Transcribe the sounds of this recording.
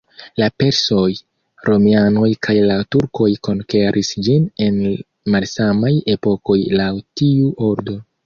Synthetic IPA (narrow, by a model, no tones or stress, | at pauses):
lape̞ɾso̞j | ɾʔo̞miano̞jkʰajlatuɾko̞jko̞nke̞ɾʔisd͡ʒine̞n | malsamaje̞po̞ko̞jlawtiuʔo̞ɾdo̞